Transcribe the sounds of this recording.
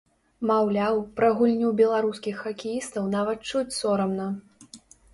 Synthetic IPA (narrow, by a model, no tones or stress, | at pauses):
mawlʲawpɾɐɣulʲnʲubʲɛlˠaɾuskʲixːɐkʲijist̪ɐwnavɐt̪̚t͡ʂut͡sʲsɔɾɐmnɐ